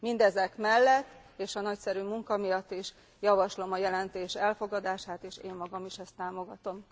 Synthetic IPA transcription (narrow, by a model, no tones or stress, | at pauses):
mind̪ɛzɛkmɛlːɛt̪ː | eːʃɒnɒcsɛɾyːmuŋkɒmijɒt̪ːiʃ | jɒvɒʃlo̞mɒjɛlɛnt̪eːʃɛlfo̞ɡɒd̪aːʃaːt̪eːʃeːmːɒɡɒmiʃɛst̪ːaːmo̞ɡɒt̪o̞m